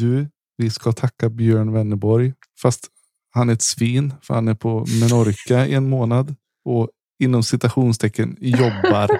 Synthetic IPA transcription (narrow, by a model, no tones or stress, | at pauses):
d̪ɵ | vɪskat̪ʰakːabjøːɳvɛnːəbɔɾj | fast̪ | hanæɾɛt̪sviːnfœ̰ɾhanæɾpʰɔmɛnɔɾkaɪ̰ɛnmoːnad̪ | ɔ | ɪnːɔmsɪt̪aɧuːnst̪ʰɛkːənjɔbːaɾ